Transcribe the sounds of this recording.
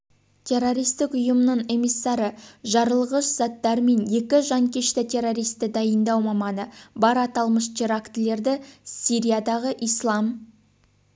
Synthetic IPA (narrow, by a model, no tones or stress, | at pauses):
t̪ʲʰe̞ɾːo̞ɾijst̪ɪkʊjəmənəɴe̞misːɑɾəʒɑɾəlˠʁəʃz̥ɑt̪ːɑɾme̞nje̞kʲɪʒɑŋkʲʰe̞ʃt̪ɪt̪ʰe̞ɾo̞ɾijst̪ɪd̪ɑjənd̪ɑwmɑmɑnəbɑɾɑt̪ɑlˠməʃt̪ʰiɾakt̪ɪle̞ɾd̪ɪsʲiɾʲijad̪ɑʁəʔijslˠɑm